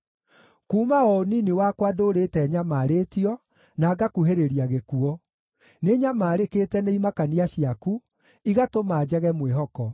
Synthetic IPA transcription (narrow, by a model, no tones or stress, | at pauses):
kuːmaɔoniniwakwadoːɾetɛɲamaːɾeːtiɔ | naːɡakuɦeɾeɾiaɣekuɔ | neɲamaːɾeketɛneimakaniaɕiaku | iɣatomaːd͡ʑɛɣɛmweɦɔkɔ